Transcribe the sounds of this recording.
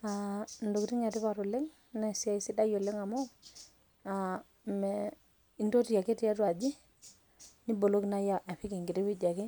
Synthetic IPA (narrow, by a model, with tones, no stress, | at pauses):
a˨ndo˨kɾi˦ŋa˨ti˦pa˨ɾo˨le˦ŋ | nɛ˨si˦a˦˨i˦si˦da˦jo˨le˦ŋa˨mɔ˦ | a˨ | mɛ˨ | i˦ndo˦ti˨ja˨ke˦ti˦a˦twa˨d͡ʒi˦ | ni˦bo˨lo˦kna˦ja˦˨ʔa˨ɸi˦ki˨ŋɡi˨ɾi˦wi˦d͡ʒa˨ki˦